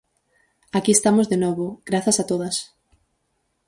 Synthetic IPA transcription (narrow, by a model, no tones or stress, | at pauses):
akiest̪amozðenɔβoɡ̥ɾaθɐsat̪oðɐs